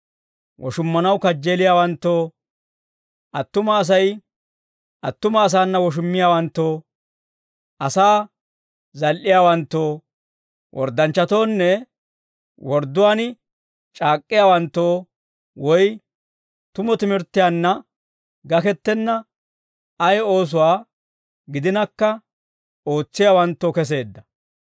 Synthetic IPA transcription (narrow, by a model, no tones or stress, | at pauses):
wʔɔ̰ʃʊmːɐnɐwkɐd͡ʒːe̞ːlɪjaːwɐnt̪ːoː | ʔɐt̪ːʊmɐːs̬ɐj | ʔɐt̪ːʊmɐːs̬aːnːɐwɔʃ̬ʊmːɪjaːwɐnt̪ːoː | ʔɐsaː | zɐlʔɪjaːwɐnt̪ːoː | wɔ̰ɾd̪ɐnt͡ʃːɐt̪o̞ːnːɛ | wɔɾd̪ʊwaːn | t͡ʃʼaːkʼːɪjaːwɐnt̪ːoː | wɔj | t̪ʊmɔt̪ɪmɪɾt̪ːɪjanːɐ | ɡɐkɛt̪ːɛnːɐ | ɐjo̞ːs̬ʊwaː | ɡɪd̪ɪnɐkːɐ | oːt͡sːɪjaːwɐnt̪ːoːkɛs̬e̞ːd̪ːɐ